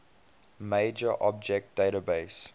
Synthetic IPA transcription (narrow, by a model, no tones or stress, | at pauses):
meɪd͡ʒəʔɔb̚d͡ʒɛk̚t̚d̥eɪɾəbeɪs